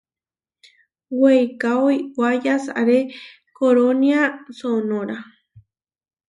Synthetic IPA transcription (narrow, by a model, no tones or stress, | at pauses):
wejkaojwajasa̰ɾe | koɾoniasonoɾa